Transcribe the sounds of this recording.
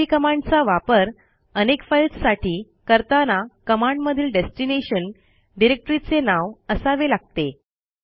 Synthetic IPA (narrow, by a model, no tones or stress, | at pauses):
ikəmaɳɖt͡saʋapəɾ | ənekfajlssaʈʰiː | kəɾt̪anakəmaɳɖməd̪ʱiːlɖesʈineɕən | ɖiɾek̚ʈəɾit͡senaʋəsaʋelaɡ̚t̪e